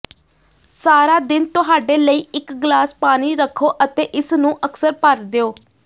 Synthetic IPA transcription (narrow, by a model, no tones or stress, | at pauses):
saːɾaːd̪ɪnt̪ʊɦaːɖeːləiːɪkɡlaːspaːniːɾəkʰːoːʔət̪eːʔɪsnũːʔəksəɾpəɾd̪eoː